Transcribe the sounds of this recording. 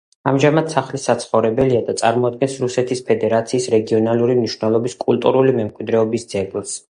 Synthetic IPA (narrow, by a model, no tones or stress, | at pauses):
amʒamad̪saχlisat̪sʰχɔvɾɛbɛliad̪at̪sʼaɾmɔad̪̚ɡɛnsɾusɛt̪ʰispʰɛd̪ɛɾat̪sʰiːsɾɛɡiɔnalˠuɾimniʃvnɛlˠɔbiskʼulˠt̪ʼṵɾulimɛmkʼwid̪ɾɛɔbisd̪z̥ɛɡlˠs